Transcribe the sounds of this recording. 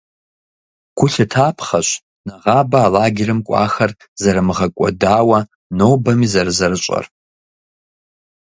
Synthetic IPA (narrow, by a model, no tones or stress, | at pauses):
kʷʰʊɬatʰapʰχaʃʷ | naʁabaːlaːɡʲɪɾɨmkʷʼa̰xar | zaɾɨmɨʁakʷʼa̰daːwa | nowbamizarzarɨt͡ʃʷʼa̰r